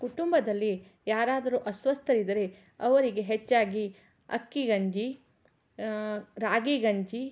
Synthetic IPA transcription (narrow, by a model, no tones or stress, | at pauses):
kuʈumbɐd̪ɐlːi | jaːɾaːd̪ɐɾuʔɐsʋɐst̪ʰɐɾid̪ɐɾe | ɐʋɐɾiɡe̞ɦet͡ʃːaːɡi | ɐ̰kːiɡɐɲd͡ʒi | ɾaːɡiɡɐɲd͡ʒi